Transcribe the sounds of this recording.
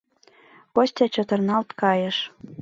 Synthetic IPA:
kosʲtʲɑt͡ɕot̪ɤ̆rnɑlt̪kɑjɤ̆ʃ

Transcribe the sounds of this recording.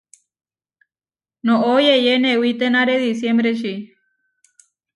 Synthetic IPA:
nõʔojejenewit̪enaɾeðisjembɾeʃ̬i

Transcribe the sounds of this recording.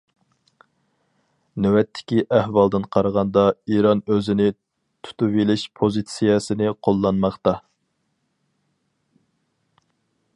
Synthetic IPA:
nɛwɛt̪ʰːɪ̥kʲiʔæhwɑlˠd̪ɨnqʰɑɾəʁɑnd̪ɑiɾɑnøzɪnɪ | t̪ʰu̥t̪uvelɪʃpʰozit̪sijɛsɪnɪqʰolˠːɑnmɑχt̪ɑ

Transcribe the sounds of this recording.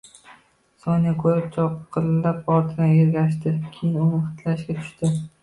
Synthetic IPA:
sonjakʰɵɾɪp̚t͡ʃʰɒqʰːɨlːapɒɾt̪ʰɪnɪeɾɡʲaʃ̬t̪ɪkʲʰejɪnʊnɪχɨ̥t̪ʰlaʃɡʲat̪ʰʊ̥ʃt̪ɪ

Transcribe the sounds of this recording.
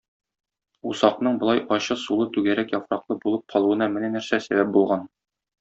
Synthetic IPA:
usɑqnɤɴbŏlˠɑjʔɒɕɤsulˠɤt̪ʉɡæɾækjɒfɾɑqlˠɤbulˠɤp̚qʰɒlˠuɤ̆nɑmɘ̆nænæɾsæsæbæp̚bulˠʁɑn

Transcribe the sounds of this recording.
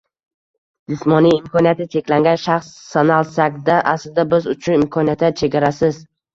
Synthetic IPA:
d͡ʒɪsmɒnijɪmkʰɒnijat̪ʰɪt͡ʃʰe̞kʲlaŋɡʲanʃaχsːanalˠsakʲd̪aʔaslɪd̪abɪzʊt͡ʃʰʊnɪmkʰɒnijat̪ʰat͡ʃʰe̞ɡʲaɾasɪz

